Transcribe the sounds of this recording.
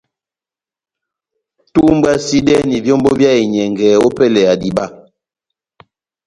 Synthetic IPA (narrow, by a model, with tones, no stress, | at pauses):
tu˦m˦bwa˦si˦dɛ˦ni˨vjɔ˦mbɔ˦bja˦i˨ɲɛ˨ŋɡɛː˨ɔ˦pɛ˦lɛ˨a˨di˨ba˦˨